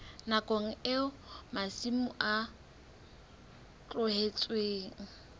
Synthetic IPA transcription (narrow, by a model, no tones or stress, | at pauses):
nakʼoŋ̩ɪʊmasimʊʔa | t͡ɬʼʊhet͡sʼweːŋ̩